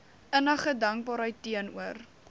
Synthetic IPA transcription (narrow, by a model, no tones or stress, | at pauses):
ənəχədɐŋk̚bɑːɾɦəjtːiənuər